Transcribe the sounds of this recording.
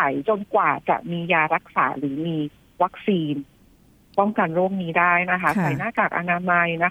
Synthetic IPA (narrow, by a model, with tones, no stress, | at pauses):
a˩˦jt͡ɕo˧nkwaː˨˩t͡ɕa̰˨˩ʔmiː˧jaː˧ɾa˦˥k̚sa̰ː˩˦ɾɯː˩˦miː˧ | wa˦˥k̚siː˧n | pɔ˥˩ŋka˧nɾu˥˩əŋ̚niː˦˥daː˥˩jna˦˥kʰa˦˥sa˨˩˦jnaː˥˩kaː˨˩k̚ʔa̰˧naː˧ma˧jna˦˥